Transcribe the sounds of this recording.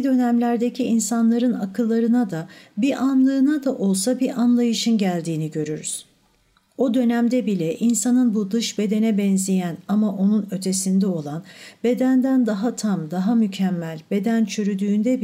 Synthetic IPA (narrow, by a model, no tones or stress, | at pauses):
d̪ø̞næmlʲæɾd̪e̞cʰiinsanlˠaɾɯnakʰɯlˠːaɾɯnad̪abiʔanlˠɯːnad̪aʔo̞lˠsabiɾʔanlˠajɯʃɯnɟælʲd̪iːniɟø̞ɾyɾy̰z̥ | o̞d̪ø̞næmd̪ɛbilʲɛʔinsanɯnbud̪ɯʃbe̞d̪e̞nɛbɛnzijænamaʔo̞nunø̞t̪ʰe̞sind̪ɛo̞lˠanbe̞d̪ænd̪ænd̪aɦat̪ʰamd̪aɦamycʰæmːælʲbe̞d̪ænt͡ʃʰyɾyd̪yːnd̪ɛb